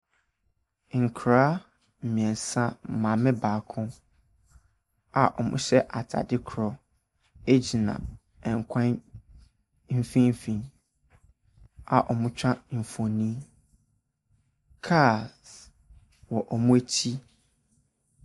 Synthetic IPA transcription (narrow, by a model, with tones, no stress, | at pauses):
ŋ̩˨kʰɾaː˦ | m̩˨mĩ˨ɛ̃˨n˨sã˦˨mã˨mɪ̃˦baː˨kʰʊ̃˦ | a˨ʔɔ˨mʊ̰̃˦ɕɛ˦ʔa˨tʰa̰˨dɪ˦kʰɾɔ˨ | e˦d͡ʑi˨nã̰˨ | ɛ˨ŋ̩˨kʷʰã˦n | m̩˦fĩ˦m˦fĩ˦˨n | a˨ʔɔ˨mʊ̃˦t͡ɕᶣã˦m̩˨fo˨nĩ˦ | kʰa˦˨s | wɔ˨ʔɔ˨mũ˦e˦t͡ɕʰi˦